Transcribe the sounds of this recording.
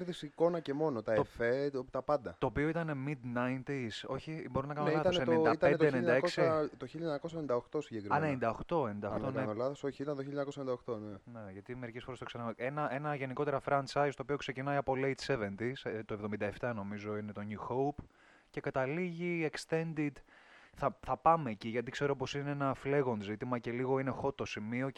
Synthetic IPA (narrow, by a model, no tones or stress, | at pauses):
ɾðisiko̞nɐcemo̞not̪ɐeofet̪ɐpɐnd̪ɐt̪o̞ːpio̞it̪ɐne̞mid̪nɐjnt̪iso̞çibo̞ɾunɐkɐnonɐɐɐnsennid̪ɐt̪end̪t̪eːnind̪ɐeksit̪oçiʎɐɲɐkos̬ɐenind̪ɐoxt̪o̞siɟekɾmɐnenind̪ɐoxt̪o̞enind̪ɐont̪oneolɐðosoçiit̪ɐnt̪oçiʎɐɲɐkosɐenid̪ɐoxt̪oneneʝɐt̪ime̞ɾicesfo̞ɾet̪osenɐʔenɐʔe̞nɐʝe̞niko̞t̪e̞ɾɐfɾɐnt͡ʃɐjst̪opio̞kse̞cinɐiɐpo̞lejt̪se̞ve̞nt̪ist̪oevðo̞mind̪ɐeft̪ɐno̞mizo̞ine̞t̪o̞nuxoup | ce̞kɐt̪ɐliʝiekst̪e̞nd̪id̪θɐθɐpɐme̞ːciʝɐt̪ikse̞ɾo̞po̞sineenɐfle̞ɣo̞nzit̪imɐce̞liɣo̞inexo̞t̪ːosimio̞